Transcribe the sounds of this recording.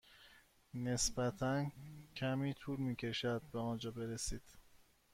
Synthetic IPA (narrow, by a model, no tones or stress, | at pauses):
ne̞sbæt̪ʰæncʰæmiːt̪ʰuːɾmiːcʰe̞ʃæd̪̚beɒːnd͡ʒɒːbe̞ɾesiːd̪̥